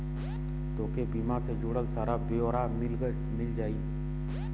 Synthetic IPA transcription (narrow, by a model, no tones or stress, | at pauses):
t̪oːkebiːmased͡ʒuːɽəlsaːɾabeoːɾamɪl | mɪld͡ʒaːiː